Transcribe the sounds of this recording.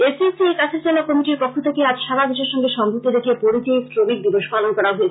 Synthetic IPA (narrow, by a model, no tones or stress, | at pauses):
esisiekat͡ɕʰeɾt͡ɕelokɔmiʈiɾpokʰːot̪ʰekead͡ʑʃaɾad̪eʃeɾʃɔŋɡeʃɔŋbʱut̪ːed̪ekʰepoɾit̪isʈɾomik̚b̪iboʃpalonkɔɾaɦoet͡ɕʰe